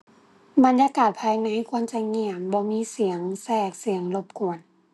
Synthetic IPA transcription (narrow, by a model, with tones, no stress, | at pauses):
ba˧˦njaː˧˥kaː˨˩t̪̚pʰaː˧jna˧˥˨jkʰu˧˥əmt͡ɕa˧ŋi˧əmbɔː˧miː˧˥˨si˨˩˦əŋsɛː˧˩k̚si˨˩˦əŋlo˧˩p̚ku˨˩ən